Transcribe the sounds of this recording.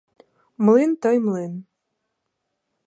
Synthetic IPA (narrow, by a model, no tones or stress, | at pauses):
mlint̪ɤjmlen